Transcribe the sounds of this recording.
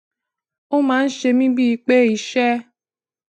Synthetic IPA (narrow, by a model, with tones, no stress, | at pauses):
o˦mãː˨˦n̩˦ʃe˧mĩ˦bi˦i˧k͡pe˦i˨˧ʃɛ˦